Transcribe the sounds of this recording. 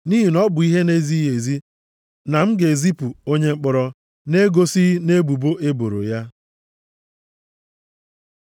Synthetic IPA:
ni˦ɦi˨nɔ˦bʊ˨i˦ɦe˦ne˦zi˦je˨zi˦ | na˨m̩˦ɡe˨zi˦pu˨o˦ɲe˦ŋ͡m̩˦k͡pʊ˦ɾɔ˦ | ne˦ɡo˦si˦ne˦bu˨bo˦ʔe˦bo˨ɾo̰˨ja˦

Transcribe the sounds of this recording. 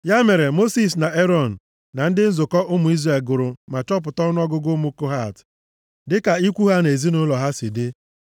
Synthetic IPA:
ja˦me˨ɾe˨mo˦si˨s̬na˨e˦ɾɔ˦˨n̩˨ | na˨n̩˦dɪ˦n̩˦zʊ˨kɔ˦ʔʊ˦mʊ˨i˦zre˦˨lɡʊ˨ɾʊ˨ma˨t͡ʃɔ˦p̬ʊ˨tɔ˦n˦ɔ˦ɡʊ˦ɡʊ˦mu˦ko˦ɦa˦˨t | dɪ˦ka˨i˦kʷu˦ɦa˦ne˨zi˦nʊ˦lɔ˨ɦa˦si˨dɪ˦

